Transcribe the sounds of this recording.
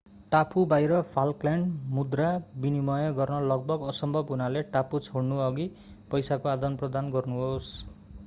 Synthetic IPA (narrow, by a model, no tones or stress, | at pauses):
ʈapʰubajɾʌpʰalklaɳɖmud̪rabinimʌjʌɡʌrnʌlʌɡ̚bʌɡʌsʌmbʱʌbɦunaleʈaput͡sʰoɽnuʌɡi | pʌjsakoad̪ʌnprʌd̪anɡʌrnuɦos